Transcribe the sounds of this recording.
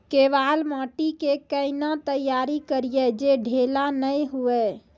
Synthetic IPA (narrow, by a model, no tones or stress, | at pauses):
keʋalmaʈikekəɪnat̪əjːaɾikəɾijɛd͡ʒeɖʱelanəjɦuɛ